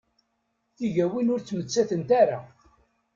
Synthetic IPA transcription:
θiʝæwinʊɾt͡sːmət͡sːæθənt̪aɾa

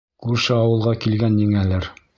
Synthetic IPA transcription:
kʉɾʃɘɑwɤ̆lˠʁɑkilɡænjɘŋælɘɾ

